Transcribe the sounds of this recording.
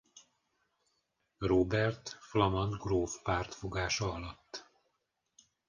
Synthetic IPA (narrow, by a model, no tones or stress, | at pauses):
roːbɛrt̪flɒmɒnd̪ɡroːfpaːrt̪fo̞ɡaːʃɒɒlɒt̪ː